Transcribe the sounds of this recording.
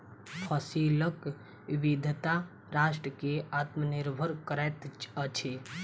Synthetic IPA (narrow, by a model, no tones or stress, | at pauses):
pʰəsilək | ibid̪ʱt̪a | ɾaːʃʈɾəkeat̪məniɾbʱəɾkəɾɛt̪ət͡ʃʰe